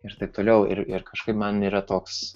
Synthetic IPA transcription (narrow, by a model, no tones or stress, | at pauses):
ɪɾt̪ɐɪp̚t̪oːlʲɛʊɪ̰ɾɪɾkʰɐʃkɐɪpmɐniːɾɐt̪oːks